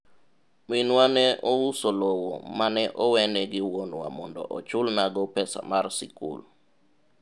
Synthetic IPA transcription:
minwanɛɔwusolowo̰manɛʔɔwɛnɛɡɪwonwa̰mɔndɔ̰ʔɔt͡ʃʊlnaɡɔpɛsa̰marsikṵl

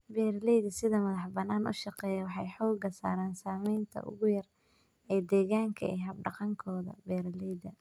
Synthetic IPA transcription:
bɛːɾlɛjðɐsɪðɐmɐðɑħbɐnːaːnʔʊ̰ʃɑqɛːjɛwɑħɑjħɔːɡɐsa̰ːɾaːnsaːmɛjnt̪ʰɐ̰ʔʊ̰ɣʊjɐr | ɛːd̪ɛːɣaːŋkʰɐ̰ɛ̰ːɦɐb̚ɖɑqɑŋkʰɔːðɐ̰bɛːɾlɛjðɐ

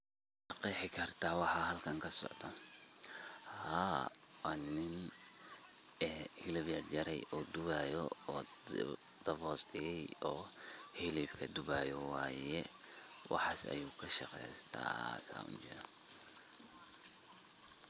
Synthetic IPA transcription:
ʃʃɑqɛjħɪkʰɐrt̪ʰaːwɑħɑɦɐlkʰɐŋkʰɐsɔ̰ʕt̪ʰɔ | haːwɑːnɪn | ɛhɪlɐβjɐrd͡ʒɐɾɛjɔːd̪ʊβaːjɔɔː | d̪̥ɐβɔːsdɪjɛjɔː | hɪlifkʰɐd̪ʊβaːjɔwɑːjɛ | wɑ̰ħɑːsɐ̰juːkʰɐʃɑqɛ̰jst̪ʰa̰ːsa̰ːʊ̰ɲt͡ʃɪɾɔ

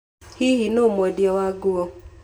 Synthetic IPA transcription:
hiɦinomɔdiawaɡuɔ

